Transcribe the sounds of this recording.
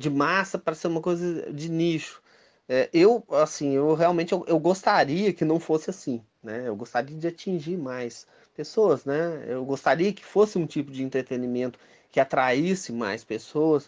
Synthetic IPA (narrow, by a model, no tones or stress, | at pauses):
d͡ʒɪmasɐpɾɐseɾũmɐkojzɐd͡ʒɪniʃʊ̥ | ɛʔewasĩewɦeawmẽt͡ʃɪewʔewɡost̪aɾiɐkɪnɐ̃w̃fosɪasĩ | nɛewɡost̪aɾiɐd͡ʒɪat͡ʃĩʒiɾmajs | pesoɐznɛḛwɡost̪aɾiɐkɪ̥fosɪũt͡ʃipʊd͡ʒɪẽnt̪ɾet̪enimẽnt̪ʊ̥ | kɪat̪ɾaisɪma̰jspesoɐs